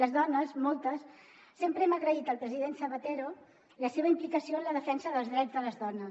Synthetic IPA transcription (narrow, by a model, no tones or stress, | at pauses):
ləzðɔnəsmɔlˠt̪əsː | empɾəɛməɣɾəit̪əlˠpɾəziðensəβət̪eɾo | ləseβ̞əimplikəsioənləðəfɛnsəðəlˠzðɾɛd͡zðələzðɔnəs